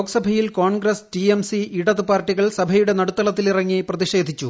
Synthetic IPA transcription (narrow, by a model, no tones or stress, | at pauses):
oːkɐsɐbʱɐjilkoːnɡrɐsʈiemsiiɽɐðɨpaːrʈːiɣɐɭsɐbʱɐjuɽe̞nɐɽut̪ːɐlɐt̪ːilirɐŋːiprɐðiʂe̞ːd̪ʱit͡ɕːu